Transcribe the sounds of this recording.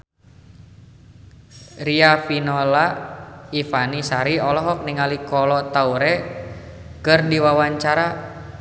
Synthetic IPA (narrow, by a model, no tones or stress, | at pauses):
riafinɔlaifanisaɾiɔlɔɦɔk̚niŋalikɔlɔt̪auɾɛ | kɨrdiwawaɲt͡ʃaɾa